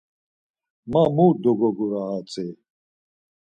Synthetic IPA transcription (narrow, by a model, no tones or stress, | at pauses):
mamud̪ɔɡɔɡuɾaɦat͡sʼi